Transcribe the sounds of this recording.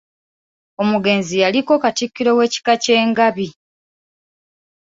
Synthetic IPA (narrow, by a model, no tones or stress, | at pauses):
o̞muɡe̞nzijaliko̞katikːiɾo̞we̞ːci̥kace̞ːŋɡaβi